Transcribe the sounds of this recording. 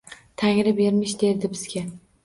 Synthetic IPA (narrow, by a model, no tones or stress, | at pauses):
t̪ʰaŋɾɪbeɾmɪʃd̪e̞ɾd̪ɪbɪz̥ɡʲa